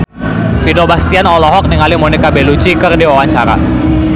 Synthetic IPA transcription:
fidobast̪ianɔlɔɦɔk̚niŋalimonikabelud͡ʒikərdiwawaɲt͡ʃaɾa̰

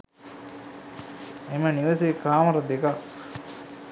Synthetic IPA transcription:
emɐniʋəsekaːmɐɾɐd̪ekak

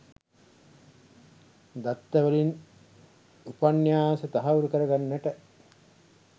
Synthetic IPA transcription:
d̪at̪ːəʋəlin | upanːjaːsət̪aɦauɾukəɾəɡanːæʈə

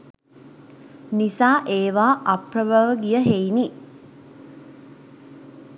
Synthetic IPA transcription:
nisaːʔeːʋaːʔapɾəbəʋəɡijəɦejni

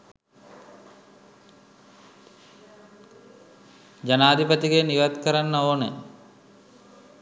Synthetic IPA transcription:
d͡ʒanaːd̪ipət̪iɡeniʋat̪kəɾanːəoːnə

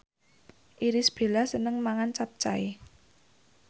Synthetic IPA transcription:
ʔiɾɪsb̥e̤lasənəŋmaŋant͡ʃap̚t͡ʃai

